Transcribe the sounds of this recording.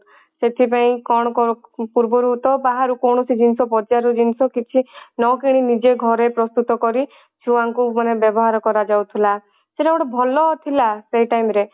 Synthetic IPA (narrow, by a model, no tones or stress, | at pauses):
set̪ʰipaĩkɔɽ̃ɔkɔpuɾbɔɾut̪ɔbaɦaɾukɔwɽ̃ɔsid͡ʒinsɔbɔd͡ʒaɾud͡ʒinsɔkit͡ʃʰinɔkiɽ̃inid͡ʒeɡʱɔɾepɾɔst̪ut̪ɔkɔɾi | t͡ʃʰuaŋkumanebjɔbɔɦaɾɔkɔɾad͡ʒawt̪ʰila | seʈebɔɽɔbʱɔlɔt̪ʰilaseiʈajmɾe